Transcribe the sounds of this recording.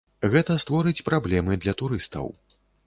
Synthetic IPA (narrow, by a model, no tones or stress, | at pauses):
ɣɛt̪ɐst̪vɔɾɨt͡sʲpɾablʲɛmɨd̪lʲɐt̪uɾɨst̪ɐ̰w